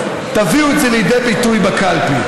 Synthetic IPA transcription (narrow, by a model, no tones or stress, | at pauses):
t̪aviuetzɛlejdejbit̪ujbakalpi